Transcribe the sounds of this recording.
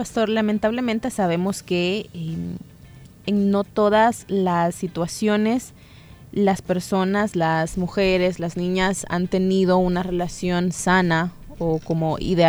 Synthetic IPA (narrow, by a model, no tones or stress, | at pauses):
past̪o̞ɾlament̪aβ̞le̞ment̪e̞saβe̞mo̞ske̞e | ŋno̞t̪o̞ðaslasːit̪wasjo̞ne̞s | laspe̞ɾso̞naslazmuxe̞ɾe̞slaznĩɲasa̰nt̪e̞niðo̞unare̞lasjo̞nsana | oko̞mo̞ʔḭðe